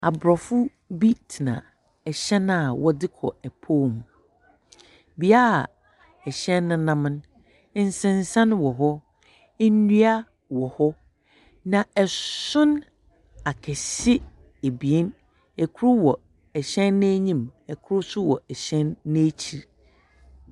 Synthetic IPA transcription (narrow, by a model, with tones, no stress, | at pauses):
a˨bɾɔ˨fʊ˦ | bi˦tʰi˨nã̰˨ | ɛ˨ɕɛ˦n˦a˨wɔ˦dɪ˦kʰɔ̰˨ɛ˨pʰoː˦˨m˨ | bi˨a˦a˨ | ɛ˨ɕɛ̃˦nːʊ̃˦nã˦m̃˦n˦ | n̩˦sɪ̃˦˨n˨sã˦nwɔ˨ɦɔ˦ | n˦nu˦a˦ | wɔ˨hɔ˦ | nã˨ɛ˨sʊ̃˦n | a˨kʰɛ˨sɪ˦ | e˨bi˨e˦n | ɛ˨kʰʊ˦ɾʊ˦wɔ˨ | ɛ˨ɕɛ̃˦nːe˦ɲĩ˦mɛ˨kʰʊ˦ɾʊ˦sʊ˦wɔ̰˨ɛ˨ɕɛ̃˦nːe˦t͡ɕʰi˨ɾ